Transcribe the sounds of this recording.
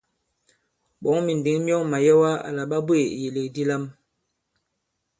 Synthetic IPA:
ɓɔ˨˦ŋmi˨n˨di˨˦ŋ˦mjɔ˦ŋma˨jɛ˦wa˦a̰˨la˨ɓa˦be˨je˨le˨di˦la˦m

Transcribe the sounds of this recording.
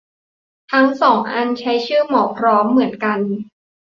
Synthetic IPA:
t̪ʰa˦˥ŋsɔː˩˦ŋʔa˧nt͡ɕʰa˦˥jt͡ɕʰɯ˥˩mɔː˨˩pʰɾɔː˦˥mːɯ˩˦ənka˧n

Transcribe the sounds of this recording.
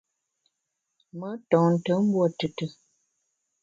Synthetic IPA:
mə˦tɔ̃˨ŋn̩˨tə˨˦m̩˦bwɔ˦˨tɨ˨tə˨

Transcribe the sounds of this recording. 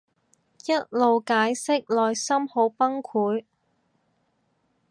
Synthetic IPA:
jɐ˥t̚lo˨wkaː˨˥jsɪ˥k̚lɔː˨jsɐ˥mho˨˥wpɐ˥ŋkʰuː˨˥j

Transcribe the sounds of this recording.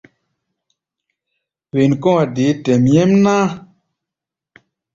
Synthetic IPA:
we˨nkɔ˦a˨de˨˦tɛ˨mjɛ˦mna˦

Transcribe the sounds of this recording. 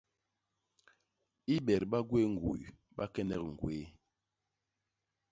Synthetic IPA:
i˦ɓɛ˨ɾɓa˦ɡwe˦ŋ̩˨ɡṵ˨j | ɓa˦kɛ˦nɛ˦˨kŋ̩˨ɡwe˨˦

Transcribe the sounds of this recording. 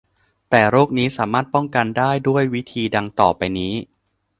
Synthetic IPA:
t̪ɛː˨˩ɾoː˥˩k̚niː˦˥saː˩˦maː˥˩t̪̚pɔ˥˩ŋka˧ndaː˥˩jdu˥˩əjwi˦˥t̪ʰiː˧da˧ŋt̪ɔː˨˩pa˧jniː˦˥

